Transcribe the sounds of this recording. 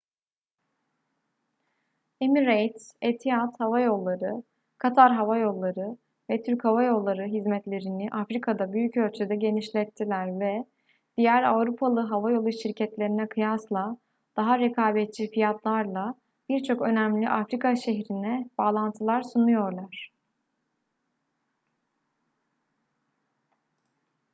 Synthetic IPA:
emiɾejt̪et̪ʰijat̪havajo̞lˠːaɾɯ | kʰat̪ʰaɾɦavajo̞lˠːaɾɯ | vɛt̪ʰyɾchavajo̞lˠːaɾɯɦizmɛt̪lʲe̞ɾiniʔafɾikʰad̪abyjycølʲt͡ʃʰed̪ɛɟe̞niʃlʲɛt̪ʰːilʲæɾvɛ | d̪̥ijæɾa̰vɾupʰalˠɯɦavajo̞lˠuʃiɾcʰɛt̪lʲe̞ɾinɛkʰɯjaslˠa | d̪̥aɦaɾekʰaːbɛt̪̚t͡ʃʰifijat̪lˠaɾlˠa | b̥iɾt͡ʃʰo̞kø̞næmlʲiʔafɾikʰaʃe̞ɦɾinɛb̥aːlˠant̪ʰɯlˠaɾsunujo̞ɾlˠaɾ̝̥

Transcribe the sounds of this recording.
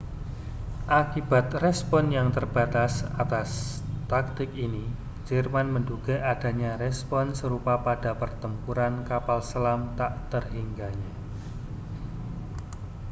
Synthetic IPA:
ʔakib̥at̪rɛspɔnjaŋt̪ərb̥at̪asat̪as | t̪ak̚t̪ɪkini̥ | d͡ʒərmanmənduɡ̥a̤ʔad̥a̤ɲaɾɛspɔnsəɾupapad̥apərt̪əmpuɾankapalsəlamt̪aʔt̪ərɦiŋɡaɲa

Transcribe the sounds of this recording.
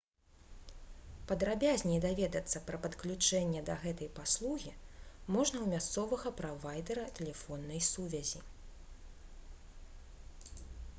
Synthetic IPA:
pɐd̪ɾabʲazʲnʲɛjd̪avʲɛd̪ɐt̪sːɐpɾɐpɐt̪klʲut͡ʂɛnʲːɛd̪ɐɣɛt̪ɐjpaslˠuɣʲimɔʐnɐwmʲast̪sɔvɐɣɐpɾavajd̪ɐɾɐt̪ɛlʲɛfɔnːɐjsuvʲɐzʲi

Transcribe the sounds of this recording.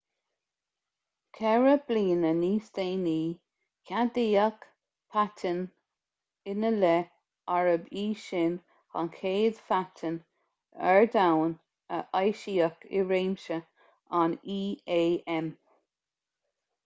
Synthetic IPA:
kʰɛɹəb̥liːnəniːst̪eːniː | kʰad̪iək | pʰatʰən | ɪnəlɛ | aɹəbiːʃɪn | ha̰nkʰeːd̪̥fatʰən | ɛɹdawn | ə̰ʔajʃiːəkʰɪ̰ɹeːmʃə | aniːeːʔɛm

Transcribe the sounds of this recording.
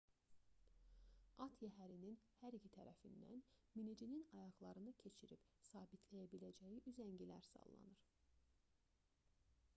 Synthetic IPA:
ɑt̪ʰjæɦæɾininhæɾicʰit̪ʰæ̰ɾæ̰find̪æ̰nminid͡ʒininɑjɑɣlˠɑɾɯnɯcʰe̞t͡ʃʰiɾib | sɑːbit̪ʰlæjæbilæd͡ʒæjiʔyzæɲɟilæ̰ɾsɑ̰lˠːɑ̰nɯɾ̥

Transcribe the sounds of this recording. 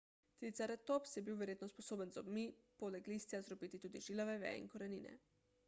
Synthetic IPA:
t̪it̪saɾɛt̪opsjɛbiwʋɛɾjeːt̪nɔspɔsoːbənzɔbmipolɛklist̪jazɾɔpiːt̪it̪uːd̪iʒilɔʋɛʋɛ̰ḭnkɔɾɛniːnɛ̰

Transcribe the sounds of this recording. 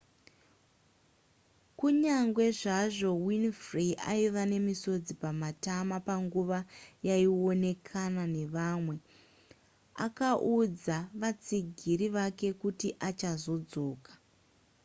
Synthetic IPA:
kuɲaŋɡwe̞ʐaʐo̞winfriʔa̰iʋane̞miso̞d͡zipamatamapaŋɡuʋajaio̞ne̞kʰanane̞ʋaːmwe̞ | a̰kaʔud͡zaʋat͡siɡʱiɾiʋake̞kutiʔat͡ʃazo̞d͡zo̞ːkḁ

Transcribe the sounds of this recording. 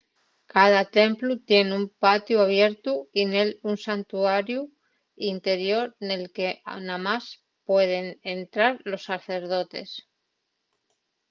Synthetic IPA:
kað̞at̪e̞mplut̪je̞neumpat̪juaβje̞ɾt̪uinelunsant̪uaɾju | int̪e̞ɾjo̞ɾne̞lke̞namas | pwe̞ð̞e̞nent̪ɾaɾlo̞sːaθe̞ɾð̞o̞t̪e̞̰s

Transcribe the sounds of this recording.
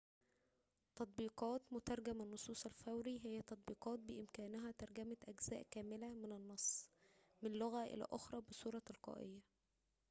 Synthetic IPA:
t̪ɑt̪̚ˤbiːqɑːt̪mʊt̪ɑɾˤɡæmænːosˤuːsˤælfæwɾiɦɪjːæt̪ɑt̪̚ˤbiːqɑːt̪̚bɪʔɪmkæːnɦæt̪ɑɾˤɡæmæʔæɡz̥æːʔkæːmɪlæmɪnɪnːɑsˤː | mɪnloɣæʔɪ̰læ̰ːʔoxɾˤɑbesˤuːɾˤɑlqɑ̰ːʔḛjːæ

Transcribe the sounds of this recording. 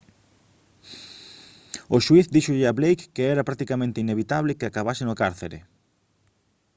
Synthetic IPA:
oʃwiθd̪iʃoʎɪaβlejkːeɛɾɐapɾak̚t̪ikamẽnt̪ɪineβ̞it̪aβlɪkeakaβasɪnʊkaɾθḛɾḛ

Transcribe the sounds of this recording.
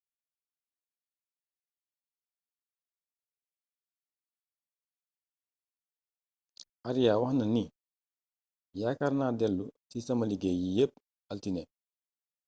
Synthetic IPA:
aɾijawahnɐni | jakaɾnadɛlːusisɐmɐliɡejijep̚ | altinɛ

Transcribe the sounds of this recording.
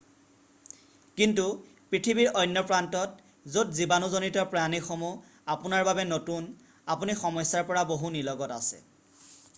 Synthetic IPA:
kintu | pɹitʰibiɹɔjnːɔpɹantɔt | zotzibanuzonitɔpɹanixomu | apunaɹbabɛnotun | apunixɔmɔjsaɹpɔɹaboɦunilɔɡɔta̰sɛ̰

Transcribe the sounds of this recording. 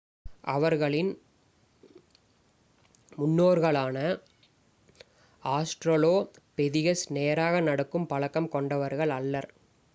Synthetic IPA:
ʔɐʋɐɾɣɐɭɪn | mʊnːoːɾɣɐɭaːnɐ | aːsʈɾɐloː | pɛðɪɣɐsneːɾaːɣɐnɐɽɐkːɯmpɐɭɐkːɐmkɔɳɖɐʋɐɾɣɐɭɐlːɐɾ

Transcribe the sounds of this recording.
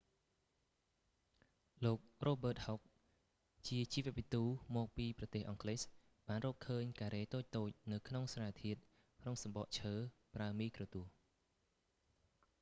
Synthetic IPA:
loːk̚roːɓəːt̪̚hok̚ | t͡ɕiət͡ɕiːʋɛ̆əʋit̪uːmɔːk̚piːprɑt̪eːhʔɑŋkles | ɓaːnrɔːpkʰəːɲkaːɾeːt̪oːc̚t̪oːc̚nɨwkʰnoŋsraːt̪ʰiət̪̚ | kʰnoŋsɑmɓɑʔt͡ɕʰəːpraəmiːkroːt̪uəh

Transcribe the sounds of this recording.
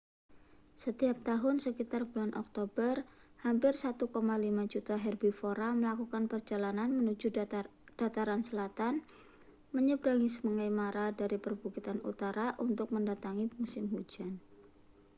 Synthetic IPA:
sət̪iap̚t̪aɦʊnsəkit̪arbulanʔɔ̰k̚t̪obərhampɪrsat̪ukomalimad͡ʒut̪aɦɛrbifoɾaməlakukanpərd͡ʒalananmənud͡ʒud̥at̪aɾansəlat̪an | məɲəbɾaŋisəməŋajmaɾadaɾipərbuɡit̪anṵt̪aɾaʔunt̪ʊk̚məndat̪aŋimusɪmɦud͡ʒan

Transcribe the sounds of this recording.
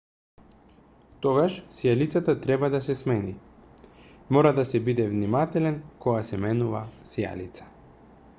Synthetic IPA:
t̪ɔɡaʃsijalit̪sat̪at̪ɾɛbad̪asɛsmɛni | mɔɾad̪asɛbid̪ɛvnimat̪ɛlɛnkɔɡasɛmɛnuvasija̰lit̪sḁ

